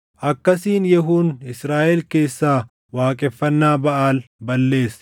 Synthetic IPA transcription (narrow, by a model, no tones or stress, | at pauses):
ʔɐkːɐsiːnjɛɦuːnɪsɾaːʔɛlke̞ːsːaː | waːkʼɛfːɐnːaːbɐʔaːlbɐlːe̞ːs